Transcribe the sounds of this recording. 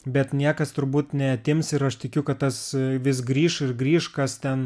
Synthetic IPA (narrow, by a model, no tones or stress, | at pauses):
bʲɛt̪nʲiɛkɐst̪ʊɾbuːt̪nʲɛɐt̪ʲɪmsɪɾɐʃt̪ʲɪkʲʊkɐt̪t̪ɐsʋʲɪs̬ɡɾʲiːʃɪrɡɾʲiːʃkɐst̪ʲɛn